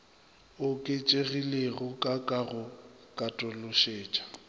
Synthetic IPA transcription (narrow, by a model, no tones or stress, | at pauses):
ʊkʼɪt͡ʃʼeɣileɣʊkʼakʼaɣʊ | kʼatʼʊlʊʃeːt͡ʃʼḁ